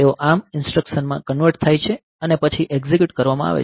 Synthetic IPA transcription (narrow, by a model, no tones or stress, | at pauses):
eoʔamɪnsʈɾəkʃənmãkənʋəɾʈt̪ʰajt͡ʃʰe | ənepət͡ʃʰiʔeɡzikjuʈkəɾʋamã̰a̰ʋḛ